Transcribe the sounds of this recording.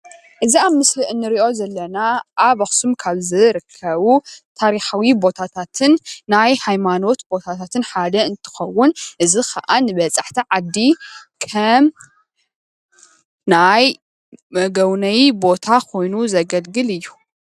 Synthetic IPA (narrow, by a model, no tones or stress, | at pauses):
ʔɨziaβmɨsliʔɨnːɨɾiʔo̞zɐlːɐnaʔaβɐxsumkʰaβzɨɾɨkʰːɐβut̪ʰaɾiħawibo̞t̪ʰat̪ʰat̪ʰɨnːajhajmano̞t̪bo̞t̪ʰat̪ʰat̪ʰɨnħad̪ɐɨnt̪ʰɨ̥xɐwːʊnʔɨzixʰaʔanɨβɐt͡sʼaħt̪ʰiʕad̪ːikʰɐm | naj | mɐɡɐwnɐjibo̞t̪ʰakʰo̞jnuzɐɡɐlɡɨlɨjːu